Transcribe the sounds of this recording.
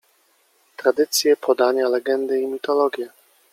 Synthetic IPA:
t̪ɾad̪ɘt̪sʲjɛpʰɔd̪aɲalɛɡɛnd̪ɘimʲit̪ɔlɔɡʲjɛ

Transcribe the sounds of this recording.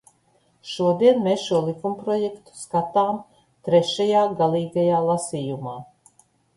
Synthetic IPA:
ʃuɔd̪iɛnmeːsʃuɔlˠikumpɾɔjɛkt̪u̥skat̪aːm | t̪ɾɛʃajaːɡalˠiːɡajaːlˠasiːjumaː

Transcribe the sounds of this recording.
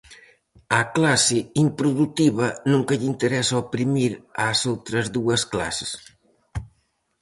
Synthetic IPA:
aklasɪimpɾuðut̪iβɐnũŋkɐʎint̪eɾɛsaopɾimiɾasowt̪ɾɐzðuɐskla̰se̥s

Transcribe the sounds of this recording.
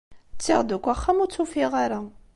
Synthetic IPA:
t͡sːḭʁd̪ukʷːaχːæmuɾt͡sːufiʁaɾa

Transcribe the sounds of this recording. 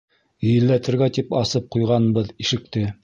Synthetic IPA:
ɵ̆jɘ̆lːæt̪ɘ̆ɾɡæt̪ipɑsɤp̚qujʁɑnbɤðiʃɘ̆k̚t̪ɘ

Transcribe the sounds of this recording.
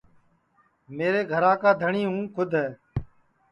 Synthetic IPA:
meːɾeːɡʱəɾaːkaːd̪ʱəɳiːɦũːkʰʊd̪ʱɦɛː

